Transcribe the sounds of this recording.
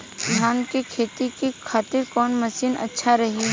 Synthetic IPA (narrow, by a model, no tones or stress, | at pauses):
d͡ʒʱaːnkekʰeːt̪ikikʰaːt̪ɪɾkɔːnmɐsiːnɐ̰tːʃʰaɾɐɦi